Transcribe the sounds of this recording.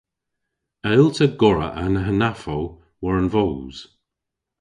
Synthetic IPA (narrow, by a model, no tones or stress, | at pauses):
ɛlˠtʰəɡɔɹə̰ʔanəɦənafow | wəɹənvowz̥